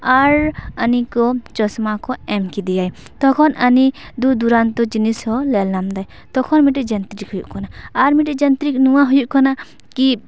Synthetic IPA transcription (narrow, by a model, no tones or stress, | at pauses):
aɾənikɔt͡ʃɔsmakɔɛmkid̪ijaj | t̪ɔkʰɔnəni | d̪ud̪uɾant̪ɔd͡ʒinishɔlɛlnamd̪aj | t̪ɔkʰɔnmiʈɛd͡ʒant̪ɾikhujṵʔkɔnaːɾmiʈɛd͡ʒənt̪ɾik̚nuwaɦujuʔkɔna | ki